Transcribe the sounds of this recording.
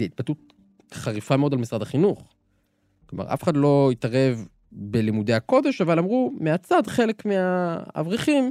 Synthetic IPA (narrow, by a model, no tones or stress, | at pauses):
iit̚batut̚ | χaʁifameo̞dalmisʁadaχinuχ | kloma̰ʁa̰feχad̪lo̞itaʁe̞v | be̞limude̞hako̞d̪e̞ʃavalamʁumeat͡sadχe̞le̞kmeaa̰vʁiχim